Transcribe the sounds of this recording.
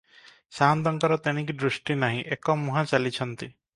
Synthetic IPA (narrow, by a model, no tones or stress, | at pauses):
saɦand̪ɔŋkɔɾɔt̪eɽ̃ĩk̬id̪ɾusʈinaɦĩʔekɔmuɦãt͡ʃalit͡ʃʰɔnt̪i